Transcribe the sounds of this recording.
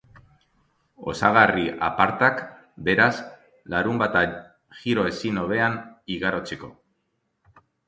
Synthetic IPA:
o̞̰saɣ̞ariʔa̰paɾt̪ak | be̞ɾas | laɾumbat̪a | ʝiɾo̞e̞sino̞βe̞aniɣaɾo̞t͡seko̞̰

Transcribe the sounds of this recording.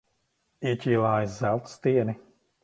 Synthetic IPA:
icʲiːlˠaːjizzælˠt̪st̪iɛni

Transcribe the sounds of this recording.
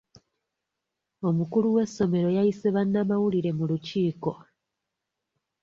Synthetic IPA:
o̞mukuluwe̞sːo̞me̞ɾo̞jaise̞βanːamawuliɾe̞muluciːko̞

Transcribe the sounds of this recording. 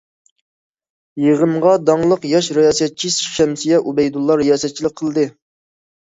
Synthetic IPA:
jeʁəmʁɑd̪ɑŋlˠəqjɑʃɾɪjɑːsɛt̪̚t͡ʃʰisʃɛmsijɛʔubɛjd̪ulˠːɑɾɪjɑːsɛt̪̚t͡ʃʰilˠɪk̚ʲqʰəlˠɨd̪ɨ

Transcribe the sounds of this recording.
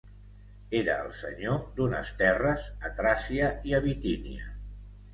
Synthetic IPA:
eɾəːlˠsə̰ɲod̪unə̰st̪ɛrəzət̪ɾasiəiəβit̪inḭə̰

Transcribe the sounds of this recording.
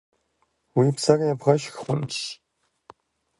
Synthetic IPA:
wiːpsarjabʁɐʃxχʷʊnʃ

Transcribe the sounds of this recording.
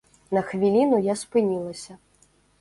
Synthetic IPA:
nɐxvʲilʲinujaspɨnʲilˠɐsʲɐ

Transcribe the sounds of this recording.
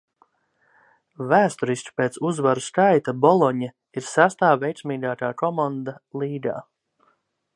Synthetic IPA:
væːst̪ɔɾisʲt͡ʃu̥peːt̪suzvaɾuskajt̪abɔlˠɔɲa | iɾsæst̪aːvʲejt̪smiːɡaːt̪aːkɔmand̪alˠiːɡ̪a̰ː

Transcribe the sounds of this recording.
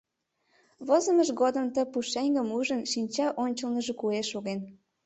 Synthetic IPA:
βozəməʃɣod̪əmt̪əpuʃeŋʲɡəmuʒənʃinʲt͡ɕɑʔonʲt͡ɕəlnəʒekueʃoɣen

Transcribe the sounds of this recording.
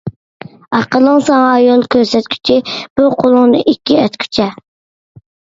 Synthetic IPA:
ɑqəlˠəŋsɑŋɑjolˠkʲʰøɾsɛt̪kʲʰy̥t͡ʃʰib̥uqʰolˠʊŋnɨ̰ʔikʲːiɛt̪kʲʰy̥t͡ʃʰɛ

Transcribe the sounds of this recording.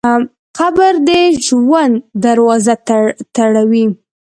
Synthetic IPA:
qabəɾd̪eʒwand̪d̪aɾwɑzat̪t̪aɽawi

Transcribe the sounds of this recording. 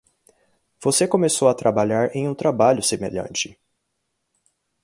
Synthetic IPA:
v̥osekõmesowɐt̪ɾʔabaʎaɾẽj̃ũt̪ɾabaʎʊsemḛʎɐ̰̃nt͡ʃɪ̥

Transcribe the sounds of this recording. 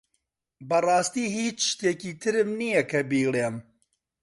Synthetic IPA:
bɐrˤɑːst̪iːhiːt͡ʃʃʃt̪eːkiːt̪ʰɨɾɨmnijɐkʰɐbiːleːm

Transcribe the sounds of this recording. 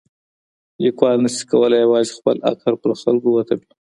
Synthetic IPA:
jekwɑlnəsi̥kawəlajawɑzixpəla̰kaɾpəɾxalɡowat̪abi

